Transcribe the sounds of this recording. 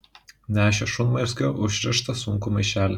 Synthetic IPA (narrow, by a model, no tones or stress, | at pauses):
nʲæːʃʲɛʃʊnmɐɪɾsʲkʲɛːʔʊʃʲɾʲɪʃt̪ɐsʊŋkʊmɐɪʃʲæːlʲɛ